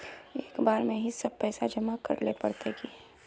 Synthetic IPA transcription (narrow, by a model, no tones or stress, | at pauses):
eːkbaːɾmẽɦisɐb̚pɛːsad͡ʒɐmakɐ̰ɾlepɐɽt̪eɡi